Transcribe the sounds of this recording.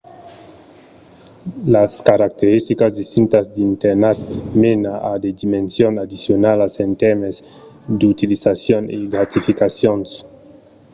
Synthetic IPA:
laskaɾak̚t̪eɾist̪ikazd̪ist̪int̪azd̪int̪eɾnat̪menaʔad̪ed̪imensjonad̪isjonalasent̪eɾmez | d̪ut̪ilisasjoneɡɾat̪ifikasjons

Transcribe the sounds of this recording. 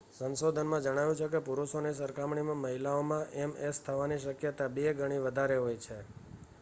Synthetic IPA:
sənsod̪ʱənmãd͡ʒəɽ̃aʋjũt͡ʃʰekepuɾuʃonesəɾkamɳimãməɦilaomãʔemest̪ʰəʋaniʃəkjət̪abeɡʱəɽ̃iʋəd̪ʱaɾeɦojt͡ʃʰe

